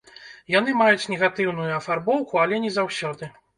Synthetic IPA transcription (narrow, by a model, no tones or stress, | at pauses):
janɨmajut͡sʲnʲɛɣat̪ɨwnujuɐfarbɔwkualʲɛnʲɛzawsʲɔd̪ɨ